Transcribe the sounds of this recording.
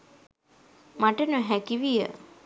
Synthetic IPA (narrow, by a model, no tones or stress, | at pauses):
maʈənəɦækiʋijə̰